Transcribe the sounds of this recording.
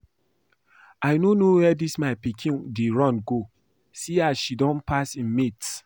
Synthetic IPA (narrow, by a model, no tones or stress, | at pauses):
aɪnonowɛdismaɪpikʰĩndeɹɔ̃nɡo | siaʃidɔ̃npʰasĩnmit